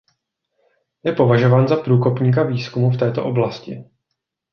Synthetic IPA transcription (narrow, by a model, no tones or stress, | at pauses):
jɛpo̞vaʒo̞vaːnzapɾuːko̞pɲiːk̬aviːskumuft̪ɛːt̪o̞ʔo̞blascɪ̰